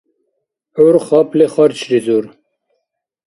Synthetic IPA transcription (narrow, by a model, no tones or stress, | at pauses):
uɾχɑpleχɑɾt͡ɕɾizuɾ